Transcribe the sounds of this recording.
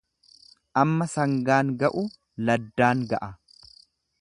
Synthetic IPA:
ʔɐmːɐsɐŋɡaːŋɡɐʔu | lɐd̪ːaːŋɡɐʔɐ

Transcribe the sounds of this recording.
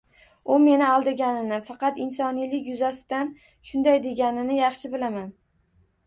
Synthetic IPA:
ʊme̞nɪɒlˠd̪ɪɡʲanɪnɪfɑqɑt̪ɪnsɒnijlɪkʲjʊzasɪd̪̥an | ʃʊnd̪ajd̪e̞ɡʲanɪnɪjɑχʃɪbɪlaman

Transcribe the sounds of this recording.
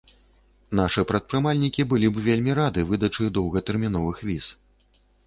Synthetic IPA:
naʂɨpɾɐt̪̚pɾɨmalʲnʲikʲibɨlʲibvʲelʲmʲiɾad̪ɨvɨd̪ɐt͡ʂɨd̪ɔwɣɐt̪ɛrmʲin̪ɔvɨxvʲis

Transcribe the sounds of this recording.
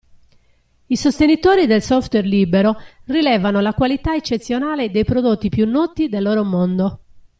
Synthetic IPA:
isost̪enit̪oːɾid̪elsɔft̪wɛrliːbɛɾorilɛːvanolakwalit̪aet͡ʃːet̪sːjonaːled̪ejpɾod̪ot̪ːipjunːɔːt̪id̪elːoːɾomond̪o

